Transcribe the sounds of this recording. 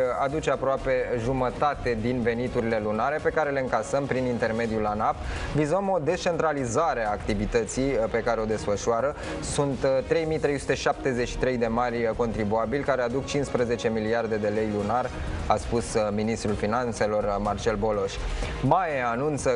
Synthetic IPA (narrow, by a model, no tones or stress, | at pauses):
ad̪ut͡ʃe̞apɾoape̞ʒumət̪at̪e̞d̪inve̞nit̪uɾile̞lunaɾe̞pe̞kaɾe̞le̞ɨŋkasəmpɾinint̪e̞rme̞d̪ijulanapvizuəmo̞d̪e̞st͡ʃe̞nt̪ɾalizaɾeaːkt̪ivit̪ət̪sijpe̞kaɾe̞o̞d̪e̞sfəʃuaɾə | sunt̪t̪ːɾe̞jmijt̪ɾe̞jsu̥t̪e̞ʃap̚t̪e̞ze̞ʃi̥t̪ɾe̞jd̪e̞marʲko̞nt̪ɾibuabilʲkaɾe̞ad̪ukt͡ʃinspɾəze̞t͡ʃe̞miliard̪e̞d̪e̞le̞jlunar | aspusminist̪ɾulfinant̪se̞lo̞rmart͡ʃe̞lbo̞lo̞ʃʲmaeanunt̪sə